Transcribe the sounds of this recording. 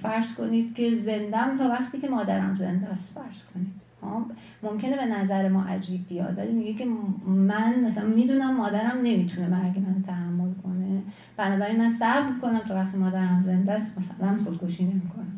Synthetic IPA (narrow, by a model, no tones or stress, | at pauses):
fæɾz̥ko̞nid̪̥cʲʰe̞ze̞nd̪æmt̪ʰɒːvæχt̪iːcʰe̞mɒːd̪æɾæ̰mze̞̰nd̪æst̪fæɾz̥kʰo̞niːd̪̥hɒ | momcʰe̞ne̞be̞næzæɾe̞mɒːʔæ̰d͡ʒiːb̚ːijɒ̰ːt̪væ̰limiɡecʰe̞mænæsænmiːd̪uːnæmːɒːd̪æɾæmne̞miːt̪ʰunemæɾɡemænt̪ʰæhæmːo̞lkʰo̞ne̞ | b̥ænɒːbæɾinmænsæɾmiko̞næmt̪ʰɒːvæχt̪iːmɒːd̪æɾæmze̞nd̪æst̪mæsælænxod̪̚kʰoʃiːnemikʰo̞næm